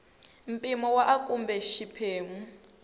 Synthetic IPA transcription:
m̩pʼimɔwaʔakʼumbɛʃipʰeːmu

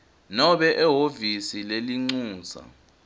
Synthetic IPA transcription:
nɔɓɛʔɛɦovisileliŋ͡ǀuːza̰

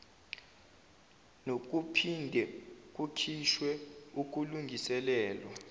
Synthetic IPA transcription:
nok̬ʼupʰindʱɛk̬ʼukʰiʃwɛuk̬uluŋɡʱisɛlɛːlwa

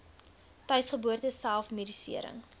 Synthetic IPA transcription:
tœɥsχəbuərtəsælˠfmidisḭəɾə̰ŋ

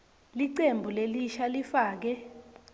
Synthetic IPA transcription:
liǀembʱuleliʃalifaːk̬ɛ

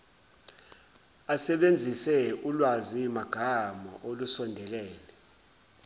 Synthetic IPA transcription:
asɛɓend͡zʱisɛulwazimaɡ̥ʱamɔʔolusɔndʱɛlɛːlɛ

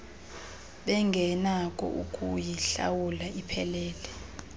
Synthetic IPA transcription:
ɓɛŋɡʱɛnakʼɔ̰ʔukʼujiɬa̰wulaʔipʰɛlɛːlɛ

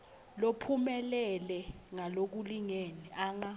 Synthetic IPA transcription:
lopʰumɛlɛlɛŋalok̬uliŋeniaːŋa

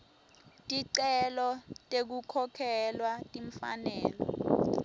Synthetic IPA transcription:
tʼiǀɛlɔtʼek̬ukʰɔkʰɛlwatʼiɱfa̰nɛːlɔ̰

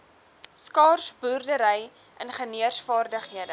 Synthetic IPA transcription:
skɑːrsburdəɾəj | ʔənχəniərsfɑːrdəχɦiədə

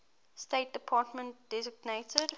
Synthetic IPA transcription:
steɪt̚d̥əpʰɑːtmə̃nt̚d̥ɛzɪɡnetʰəd

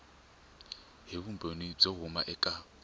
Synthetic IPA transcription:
ɦeβumbʱonib͡ʐɔɦʊma̰ʔɛkʼa

